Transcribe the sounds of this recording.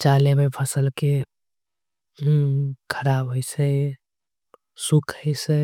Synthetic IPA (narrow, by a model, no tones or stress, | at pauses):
t͡ʃalemepʰəsəlke | kʰəɾabɦəjsə | sukʰəjsə